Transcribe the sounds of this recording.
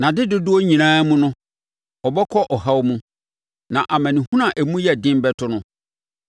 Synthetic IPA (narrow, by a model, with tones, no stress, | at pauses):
nã˨dɪ˦dʊ˦dʊ˦ɔ˦ɲĩ˨nãː˦mũ˦nʊ̃˦ | ɔ˨bɛ˦kʰɔ˦ʔɔ˨ɦa˦wmũ˦ | nã˨ʔa˨mã˨nĩ˨hũ˦nã˨ʔæ˨mũ˦jɛ˨dɪ̃˦m˦bɛ˦tʰʊ˦nʊ̃˦